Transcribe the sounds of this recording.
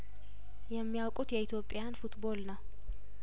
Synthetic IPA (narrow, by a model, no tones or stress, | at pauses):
jɛmːijawkʼut̪jɛit̪ʰjo̞pʼːɪjanfut̪bo̞lnəw